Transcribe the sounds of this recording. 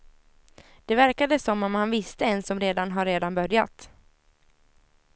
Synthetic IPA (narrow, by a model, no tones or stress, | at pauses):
d̪̥ɛvæɾkad̪əsɔmːɔmhanvɪst̪əɛnsɔmɾeːd̪anɦaɾːeːd̪anbœɾja̰t̪